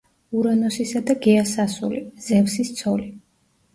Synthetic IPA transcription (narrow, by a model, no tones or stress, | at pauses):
uɾanɔsisad̪aɡɛasasṵliz̥ɛvsist̪sʰɔli